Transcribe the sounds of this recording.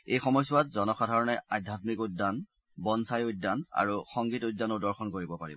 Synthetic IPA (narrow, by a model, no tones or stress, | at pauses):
ejxɔmɔjsʊwatzɔnɔxadʱaɹɔnɛadʱjatmikudːan | bɔnsajudːana̰ɹuxɔŋɡitujdːanɔdɔɹxɔnkoɹibɔpaɹḭbɔ